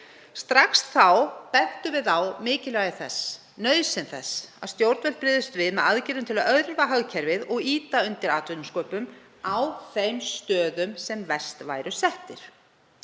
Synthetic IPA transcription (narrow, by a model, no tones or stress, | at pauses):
st̪ɾaksθawpɛn̥t̪ʏvɪðawmɪːcɪlœːɣɪθɛ̰sː | nœðsɪnθɛsa̰ðst̪jowɾt̪vɛl̥̚pɾɪːðʏst̪vɪðmɛðaðcɪɾʏmt̪ʰɪlaðœðɾvaɦaɣcʰɛɾvɪðɔɣiːt̪aʏnt̪ɪɾaːt̪vʏnʏskœːpʏm | awθejmst̪œːðʏmsɛmvɛst̪va̰jɾʏsɛht̪ɪɾ̥